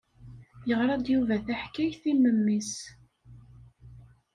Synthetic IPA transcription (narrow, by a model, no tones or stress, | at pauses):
jəʁɾˤɑd̪juvæθæħkæjθiməmːis